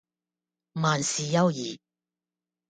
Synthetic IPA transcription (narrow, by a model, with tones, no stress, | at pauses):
maː˨˩nsiː˨jɐ˥wjiː˨˩